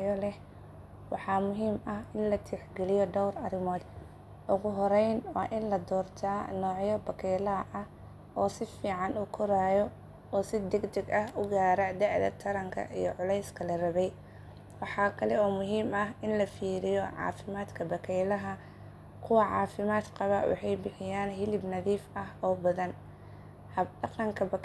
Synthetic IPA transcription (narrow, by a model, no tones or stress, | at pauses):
jɔlɛh | wɑħɑːmʊɦiːmɐhɪnlɐt̪ʰiːħɡɛlɪjɔd̪ɔwrɐɾɪmɔːd̪ | ʔʊɣʊɦɔɾɛjnwɑ̰ːʔɪnlɐd̪ɔːrt̪ʰaːnɔːʕjɔbɐkʰɛjlɐɐʔɐh | ʔɔːsɪfiːʕɑnʊːkʰʊɾaːjɔ | ɔːsɪd̪ɛɡd̪ɛɡɐhʊɡaːɾɐd̪ɛʕd̪ɐ̰t̪ʰɐɾɐŋkʰɐ̰ʔijɔ̰ʕʊlɛjskʰɐlɐrɐβɛj | wɑħɑːkʰɐlɛɔːmʊɦiːmɐɦɪnlɐfiːɾɪjɔʕɑ̰ːfɪmaːd̪kʰɐbɐkʰɛjlɐɦɐ | kʰʊwɐʕɑ̰ːfɪmaːd̪qɑβawɑ̰ħɑjbɪħɪjaːnɦɪlɪbnɐðiːfɐɦɔːbɐðɐn | hɐd̪ɑqɐŋkʰɐbɐk